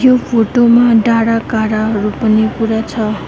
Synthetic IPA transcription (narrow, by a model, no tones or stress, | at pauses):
jopʰoʈomaɖaɽakaɽaɦʌɾupʌnikuɾat͡sʰʌ